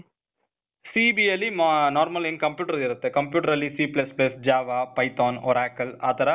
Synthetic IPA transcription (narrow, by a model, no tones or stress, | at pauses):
siːbiɛlimnaːɾmɐlɛnːkɐmpjuːʈɐɾɐɪɾɯt̪ːɯkɐmpjuːʈɐɾɐlːisiːplɐsplɐsd͡ʒaːʋaːpɐɪt̪oːnɔ̰ɾaːkɐlaːt̪ɐɾɐ